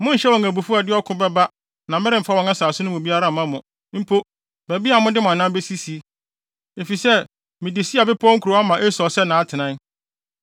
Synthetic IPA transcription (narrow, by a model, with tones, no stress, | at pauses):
mʊ̃˦n̩˨ɕɛ˦wɔ˨ŋæ˨bu˨fu˦a˨dɪ˦ɔ˦kʰʊ̃˦bɛ˦ba˦ | nã˨mɛ˦ɾɪ˦m̩˨˦fa˦wɔ̃˨ŋã˦saː˨sʊ˦nʊ̃˦mʊ̃˨bi˦a˦ɾa˦˨mã˦mʊ̃˨˦ | m̩˦pʰo˦ | bæ˨bi˦a˨mʊ̃˦dɪ˦mã˨nã˦mbe˦si˦si˨˦ | e˨fi˨sɛ˦˨ | mɪ̃˨dɪ˨si˦a˨bɪ˦pʰɔ˦ŋ̩˦kʰu˨ɾo˨˦a˦mã˨ʔe˦sɔ˨sɛ˦nã˨a˦tʰɪ˨nã˦